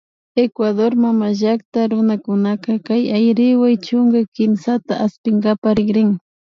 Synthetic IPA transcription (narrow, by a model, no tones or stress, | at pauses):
ekwaðoɾmamaʒakt̪aɾʊnakʊnakɑkajajɾɪwajt͡ʃʊŋɡajkɪmsat̪aʔaspɪŋɡapaɾɪɡɾɪŋ